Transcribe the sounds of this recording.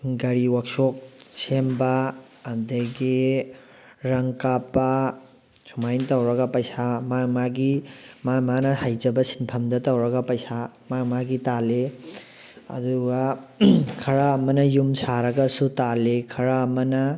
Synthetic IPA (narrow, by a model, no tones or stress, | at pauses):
ɡɐɾiwɐk̚sok̚sembɐː | ndɐɡi | ɾɐŋkapːɐ | sumajntɐwɾɐɡɐpɐjsamamaɡimamanɐhajd͡ʒɐbɐsi̥npʰɐmdɐtɐwɾɐɡɐpɐjsa | mamaɡitale | ɐ̰duɡɐ | kʰɐɾɐːmɐnɐjumsaɾɐɡɐsutalekʰɐɾɐːmɐnɐ